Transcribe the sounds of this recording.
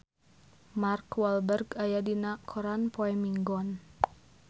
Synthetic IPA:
markwalbərɡajadinakʰɔɾanpɔɛmiŋɡɔn

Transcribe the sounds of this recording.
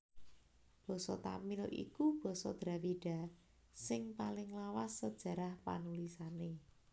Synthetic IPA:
b̥ɔ̤sɔt̪a̰milʔḭkub̥ɔ̤sɔd̪̥ɾa̤wiɖ̥a̤ | sɪŋpalɪŋlawasːəd̥ʒ̥ä̤ɾahpa̰nulisane

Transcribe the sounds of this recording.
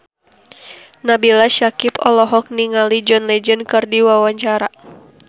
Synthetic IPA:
nabilaʃakipɔ̰lɔɦɔk̚niŋalid͡ʒɔnlɛd͡ʒənkɨrdiwawaɲt͡ʃaɾa

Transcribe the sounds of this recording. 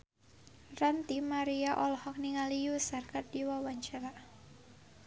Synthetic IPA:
rant̪imaɾiaʔɔlɔhɔk̚niŋalijusarkat̪̚diwawaɲt͡ʃaɾa

